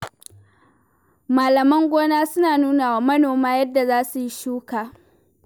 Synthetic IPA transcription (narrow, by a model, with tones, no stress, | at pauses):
maː˨lɐ˨mɐ˦ŋɡʷoː˦naː˦sʊ˦naː˨nuː˦naː˨waː˨˦mɐ˦noː˨maː˦jɐ˦dːa˨zaː˦su˨ji˦ʃuː˦kaː˨